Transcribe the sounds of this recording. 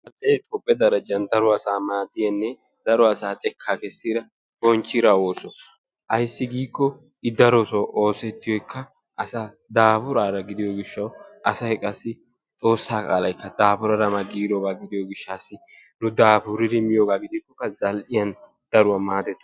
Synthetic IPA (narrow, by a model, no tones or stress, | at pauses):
zɐlʔejt̪ʼɔpʼːɛd̪ɐɾɐd͡ʒɐnd̪ɐɾɔɐsaːmaːd̪ːɪjɐnːɛ | d̪̥ɐɾɔɐsaːt̪ʼɛkʰːaːkɛsːiːɾɐ | b̥ɔnt͡ʃːɪɾɐwo̞ːsɔ | ʔɐjsːɪɡiːkːɔ | ɪd̪ɐɾɔsɔʔo̞ːsɛt̪ːɪjɔjkːɐ | ʔɐsaː | d̪aːpʊɾaːɾɐɡɪd̪ɪjɔɡɪʃːɐwʔɐsɐhɛkʼɐsːɪ | t̪ʼo̞ːsːaːkʼaːlɐjkːɐd̪aːpʊɾɐɾɐmɐɡiːɾɔbaːɡɪd̪ɪjoɡɪʃːaːsːɪnʊd̪aːbʊɾɪɾɪmɪjoːɡaːɡɪd̪ɪkːɔkːɐzɐlʔɪjɐn | d̪̥ɐɾʊwɐmaːd̪ɛt̪ːʊ